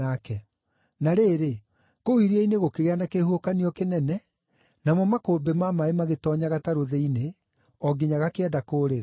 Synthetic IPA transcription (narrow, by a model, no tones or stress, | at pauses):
akɛ | naɾeːɾe | kowiɾiaineɣokeɣeanakehuokaniɔkenɛnɛ | namɔmakoːbemamaemaɣetɔɲaɣataɾoðɛine | ɔɡeɲaɣakeɛdakoːɾeɾa